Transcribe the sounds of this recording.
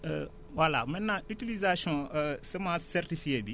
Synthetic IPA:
wala̰mɛ̃nãytilizasiɔ̃sɛmãsɛɾtifijebi

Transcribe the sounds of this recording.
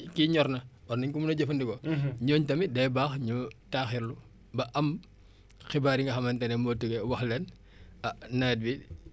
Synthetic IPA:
kiɲɔɾnɐ | ɔrniɲkumunɐɟɐfɐndikɔɲɔːɲtɐmidɛjbaːxɲutaxiɾlu | bɐʔɐm | xibaːɾiŋɡɐxɐmɐntɐnɛmotuɡɛwɐxlɛn | ɐnɐːt̚bi

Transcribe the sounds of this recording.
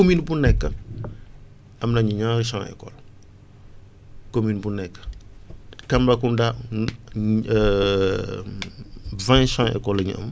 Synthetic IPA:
kominbunɛkːə | ɐmnɐɲuɲãːɾiʃãŋɛ̰kɔ̰l | kominbunɛkːə̥ | kɐmbɐkunda | vãʃãŋɛ̰kɔlɐɲṵʔɐ̰m

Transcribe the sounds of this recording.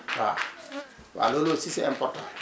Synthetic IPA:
wa̰ | wa̰lolosisɛɛ̰mpɔtɔ

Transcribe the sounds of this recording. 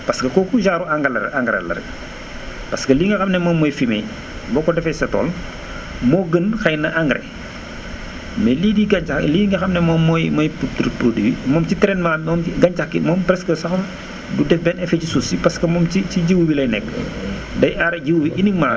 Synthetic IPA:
pɐskɐkɔkuʒaːɾuaŋɡɐlɐɾɛ̰ʔaŋɡɾɐ̰lɐ̰ɾɛ̰ | pɐskɐliːŋɡɐxɐmnɛmɔːmːɔːjfimɛ̰j | bɔkɔdɛfɛsɐtɔ̰ːl | mɔːɡənxɐjnɐʔaŋɡɾɛ̰ | mɛliːdiːɡɐɲt͡ʃaliːŋɡɐxɐmnɛmɔːmːɔjmɔːjputɾpɾodiwimɔːmt͡ʃitɾɛnmamɔːmɡɐɲcɐxkimɔːmpɾɛskɐsɐxɐ | dudɛfbɛnɛfɛcisusipɐskɐmɔːmt͡ʃit͡ʃiɟiwuwilɐjnɛkː | dɐjʔaɾɐɟiwuwiʔiniŋma

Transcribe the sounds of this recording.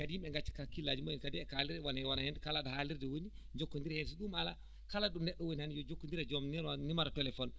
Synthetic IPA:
kadiimɓɛŋɡat͡ʃːi̥kakilːad͡ʒumoinkadiɛkaliɾdɛwanaɛwanahɛndɛkalaɗɔhaliɾdɛwoni | d͡ʒokːondiɾɛhɛns̬iɗumala | kalaɗɔnɛɗːɔwonihanijɔd͡ʒokːondiɾɛd͡ʒɔmnianimaɾatɛlɛfɔn

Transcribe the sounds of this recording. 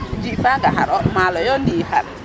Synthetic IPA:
d͡ʒifaɡaɦaɾɔmaːlɔjɔniha̰ɾ

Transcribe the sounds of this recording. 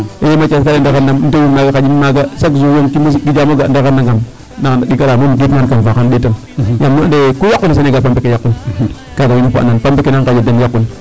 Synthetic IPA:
ejmat͡ʃaskalendaɣanːamnowimaɡakad͡ʒimaɡasakzujoŋkimoskid͡ʒamoɡandaɣanːaŋɡam | nanaɗikaɾamomuɡitmankanvakanɗetan | jamːodekojakːunas̬aneɡapambekejakːun | kaɡawinapa̰nanpambekenaŋkad͡ʒidenjakːun

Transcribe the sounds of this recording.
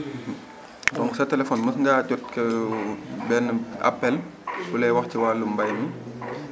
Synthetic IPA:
dɔŋksɐtɛlɛfɔnmɐsŋɡaːcɔt̚kɛ | bɛnːəa̰pːɛlbulɛjwɐxciwaːlumbɐjmi

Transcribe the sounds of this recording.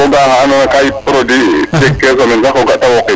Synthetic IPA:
ɔɡahanɔnakajipɾɔdid͡ʒɛkːɛs̬ɔmɛnsakɔɡaʔtːawɔkɛ

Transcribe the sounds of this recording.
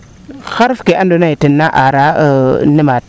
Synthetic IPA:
xaɾfkeʔandonaitinːaʔaɾanimat̚

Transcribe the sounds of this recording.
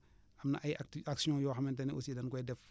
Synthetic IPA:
ɐmnɐ̰ʔɐjaksiɔ̃jɔːxɐmɛntɐniʔɔsidɐnkɔjdɛf

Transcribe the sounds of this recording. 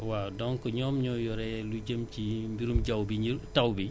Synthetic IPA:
wadɔŋkɔɲɔːmɲɔjɔɾɛluɟəmcimbiɾumɟawbiɲitɐwbi

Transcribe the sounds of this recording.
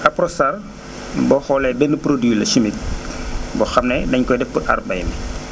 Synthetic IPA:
ʔɐpɾɔsɐr | bɔxɔlɛbɛnːəpɾodwilɐsimit̚bɔxɐmnɛdɐɲkɔjdɛfbuʔa̰rbɐjmi

